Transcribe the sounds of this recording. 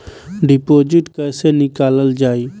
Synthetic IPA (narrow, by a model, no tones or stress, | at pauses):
ɖipoːd͡ʒɪʈkəːsenɪkaːləld͡ʒaːiː